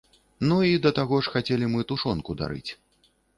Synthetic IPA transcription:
nuid̪ɐt̪aɣɔʂxat͡sʲelʲimɨt̪uʂɔnkud̪a̰ɾɨ̰t͡sʲ

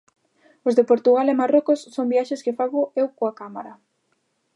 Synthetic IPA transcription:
ozðepoɾt̪uɣalɛmarokʊsːombiaʃeskɪfaβʊewkoakamaɾɐ

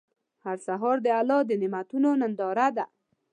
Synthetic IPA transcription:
haɾsaɦɔɾd̪əalɔd̪ənɪmat̪unonənd̪ɑɾad̪a

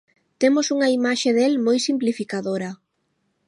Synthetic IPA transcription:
t̪emʊsuŋɐimaʃeðelmojsimplifikaðoɾɐ

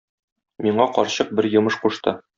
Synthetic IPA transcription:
miɴɑqɒɾɕɤq̚bɘɾjɤ̆mɤʃquʃt̪ɤ̰

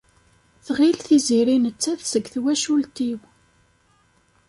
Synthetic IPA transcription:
θʁilθiziɾinət͡sːæθsəɡθwæʃult̪iw

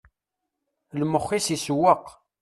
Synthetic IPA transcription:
lməχːisiswːəq

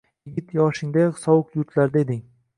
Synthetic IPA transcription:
jɪɡʲɪt̪jɒʃɪŋd̪aqsɒwʊqjʊɾt̪laɾd̪aed̪ɪŋ

